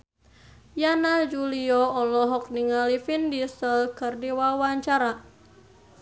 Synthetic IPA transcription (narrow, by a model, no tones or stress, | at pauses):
janad͡ʒuliɔɔlɔɦɔk̚niŋalifindisəlkɨrdiwawaɲt͡ʃaɾa